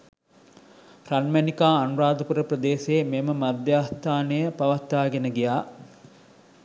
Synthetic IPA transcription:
ranmænikaːɐnuɾaːd̪əpuɾəprəd̪eːseːmeməmad̪jaːst̪aːnəjəpaʋat̪ːaːɡenəɡijaː

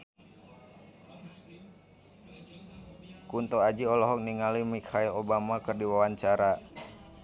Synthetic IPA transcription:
kunt̪oad͡ʒiɔlɔɦɔk̚niŋalimikʰailobamakərdiwawaɲt͡ʃaɾa

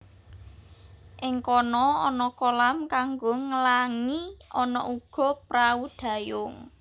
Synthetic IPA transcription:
ʔɪŋkɔnɔɔnɔkolamkaŋɡoŋəlaŋiɔnɔ̰ʔuɡ̥ɔ̤pɾaud̪̥ä̤jʊŋ

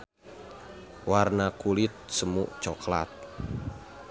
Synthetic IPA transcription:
warnakulɪt̪̚səmuʔt͡ʃɔkla̰t̪̚

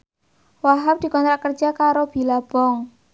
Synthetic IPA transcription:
waɦap̚d̪̥i̤kɔnt̪ɾaʔkərd̥d͡ʒ̥akaɾob̥i̤lab̥ɔŋ

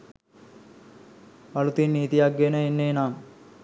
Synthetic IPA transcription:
palut̪inːiːt̪ijaɡɡenəenːeːnaːm

